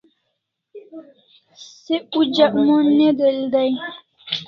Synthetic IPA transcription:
seud͡ʒaʔmɔnːedəldaj

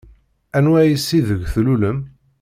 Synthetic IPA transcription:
ænwæjəsːiðəʝθluləm

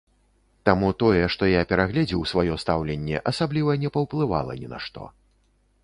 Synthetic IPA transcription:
t̪amut̪ɔjɛʂt̪ɔjapʲɛɾaɣlʲɛd͡zʲiwsvajɔst̪awlʲɛnʲːɛ̰ʔɐsablʲivɐnʲɛpɐwplˠɨva̰lˠɐ̰nʲɛna̰ʂt̪ɔ̰

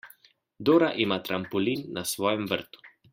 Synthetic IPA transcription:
d̪oːɾaʔimaːt̪ɾampɔliːnːasʋɔːjɛmʋə̰ɾt̪u̥

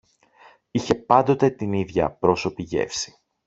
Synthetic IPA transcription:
içe̞pɐnd̪o̞t̪e̞t̪iniðʝɐ̰pɾo̞so̞piʝe̞̰fsi̥

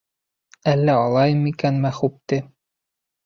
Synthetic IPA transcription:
ælːæɑlˠɑjɤmikænmæχup̚t̪ɘ

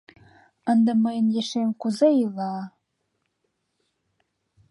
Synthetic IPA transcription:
ə̆nd̪ə̆məjənjeʃemkuzɤilɑ

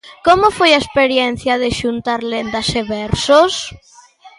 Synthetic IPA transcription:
komofojaespeɾjɛnθjɐðɪʃunt̪aɾlend̪ɐseβɛɾsos

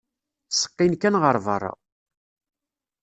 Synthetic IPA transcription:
sə̥qːinkænʁəɾˤvə̰rˤɑ̰

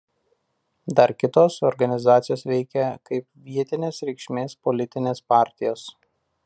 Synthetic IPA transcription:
d̪ɐɾkʲɪt̪oːsɔɾɡɐnʲɪzɑːt̪sʲɪjoːsʋʲɛɪkʲɛkɐɪpʋʲiɛt̪ʲɪnʲeːsɾʲɛɪkʃʲmʲeːspɔlʲɪt̪ʲɪnʲeːspɑˑɾʲt̪ʲɪjoːs

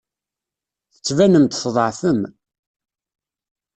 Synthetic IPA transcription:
θə̥t͡sːvænəmt̪fðˤəʕθəm

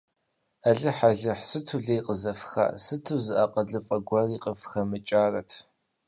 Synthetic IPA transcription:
ɐɮɨħaɮɨħsɨtʰuɮɐjqʼəzɐfxa̰ːsɨtʰuzɨʔɐqəɮɨfʼɐɡʷɐriːqʼəfxɐmɨt͡ʃʼaːrɐtʰ

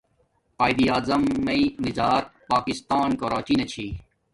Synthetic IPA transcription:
aːjd̪iaːzɐmːɐinizaːɾpaːkist̪aːnkɐɾaːt͡ɕinɐt͡ɕʰiː

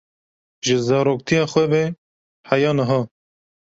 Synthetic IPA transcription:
ʒɪzɑːɾoːk̚t̪ʰijɑːxwɛbɛ | hæjɑːnɐɦɑː

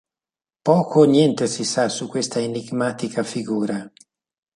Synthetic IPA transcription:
pɔːkʰonjɛnt̪esisasukːwest̪aeniɡmaːt̪ikʰafiɡuːɾa

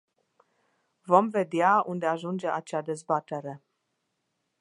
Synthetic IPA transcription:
vo̞mve̞d̪eaund̪e̞aʒund͡ʒe̞ʔat͡ʃad̪e̞zbat̪e̞ɾe̞

